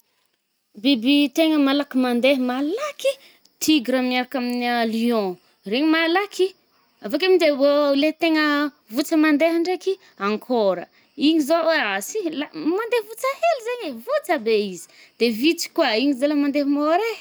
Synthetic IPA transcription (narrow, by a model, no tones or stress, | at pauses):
bibit̪eŋəmalakimand̪eɦəmalaki | t̪ʰiɡɾamniaɾakaminialiɔ̃ | reɲimalaki | avak̬amind̪ebolet̪eŋə | vut͡səmand̪eɦaɳɖ͡ʐeki | aŋkʰoɾə̰ | iɲizoasilamand̪ehvut͡sahelizeɲevut͡səbeizi̥ | d̪̥evit͡si̥kwaiɲizalamand̪eɦmoɾe